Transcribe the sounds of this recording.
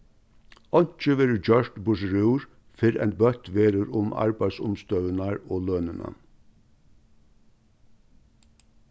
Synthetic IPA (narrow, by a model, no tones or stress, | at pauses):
ɔɲ̥t͡ʃəʋeːɾd͡ʒœʃʈ̪bʊʃɾʉːɹ | fɪɾɛ̰nbœt̪ʋeːɾəɾʊma̰ɹbæɪsʊ̰mst̪œʋənaɹoːløːnəna̰